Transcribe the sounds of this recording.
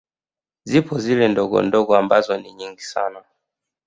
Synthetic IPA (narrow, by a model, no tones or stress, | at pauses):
zipʰɔzilɛndɔɡɔ̰ndɔɡɔambazɔniɲiŋɡisa̰na